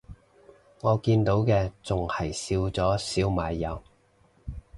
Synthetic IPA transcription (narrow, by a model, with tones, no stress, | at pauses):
ŋɔː˨˧kiː˧nt̪o˨˥wkɛː˧t͡sʊ˨ŋhɐ˨˩jsiː˧wt͡sɔː˨˥siː˨˥wmaː˨˧jːɐ˨˧w